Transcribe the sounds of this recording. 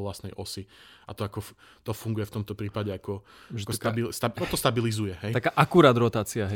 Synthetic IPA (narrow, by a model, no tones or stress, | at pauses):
lasnɛjʔɔsiat̪ɔakɔ | t̪ɔfuŋɡujɛft̪ɔmt̪ɔpɾiːpaɟɛakɔkɔst̪abist̪aɔt̪ɔst̪abilizujɛɦɛj̪akaʔakuɾaːd̪ɾɔt̪aːt͡siaɦɛ